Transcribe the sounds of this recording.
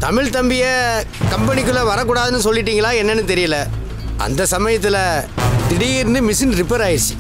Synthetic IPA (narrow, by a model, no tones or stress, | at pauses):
t̪ɐmɪɻt̪ɐmbɪjɐ | kɐmpɐnɪk̬ːɯɭɐʋɐɾɐk̬ːuːɽaːðɯnːɯsɔlːɪʈ̬ːiːŋɡɐɭaːɛnːɐnːɯt̪ɛɾɪjɐlɐ | ʔɐ̰nd̪ɐsɐmɐjɐt̪ːɪlɐt̪ɪɽɪjɪɾɯnd̪ɯmɪsɪnɾɪpːɐɾaːjɪɾs